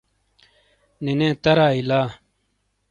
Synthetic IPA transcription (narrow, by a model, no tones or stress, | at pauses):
nenẽːt̪ɐɾaːilaː